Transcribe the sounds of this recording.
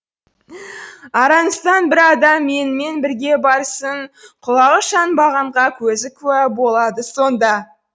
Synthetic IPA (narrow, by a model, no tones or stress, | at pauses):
ɑɾɑnəst̪ɑnbɪɾɑd̪ɑmːe̞nɪme̞nbɪɾɡʲe̞bɑɾsəɴqʰʊlˠɑʁəʃɑnbɑʁɑɴʁɑkʲʰɵzɪkʰʲʉæbo̞lˠɑd̪əso̞nd̪ɑ